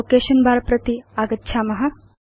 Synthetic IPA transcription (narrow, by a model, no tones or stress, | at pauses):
oːkeːʃɐnbʱaːɾɐpɾɐt̪iaːɡɐt̪ːʃʰaːmɐɦɐ